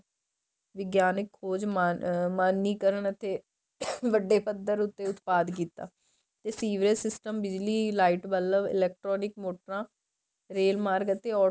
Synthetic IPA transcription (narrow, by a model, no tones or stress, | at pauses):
ʋɪɡjaːnɪkʰːoːd͡ʒmamaːnːiːkəɾəɳət̪ʰːeː | ʋəɖːeːpəd̪əɾʊt̪ːeːʊt̪paːd̪k̬iːt̪a̰ː | t̪eːsiːʋɾesɪsʈəmbɪd͡ʒliːlaːiʈbələʋɪ̰lɛːk̚ʈɾɔːnɪkmoːʈəɾãː | ɾeːlmaːɾɡət̪eːɔː